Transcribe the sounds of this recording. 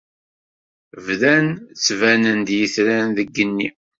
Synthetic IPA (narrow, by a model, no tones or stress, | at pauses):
vðænt͡sːvænənd̪jəθɾænðəɡːənːi